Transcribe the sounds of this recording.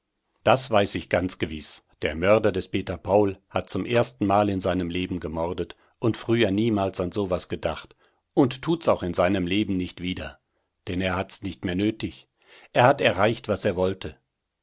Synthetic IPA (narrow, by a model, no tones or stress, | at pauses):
d̥asv̥aɪsɪçɡ̥ant͡sɡ̥əvɪsd̥eːɐmœɐdɐdɛspeːtɐpʰaʊlhat̚t͡sʊmʔeːɐstn̩maːlɪnzaɪnəmleːbm̩ɡəmɔʁdət | ʔʊntfʁ̥yːɐniːmaːlsanzoːvasɡ̥ədaχt | ʔʊnttʰːuːtsaʊxɪnzaɪnəmleːbm̩nɪçtv̥iːdɐ | d̥ɛneːɐhatsnɪçtmeːɐnøːtɪç | ʔeːɐhatɛɐʁaɪçtv̥aseːɐvɔltʰə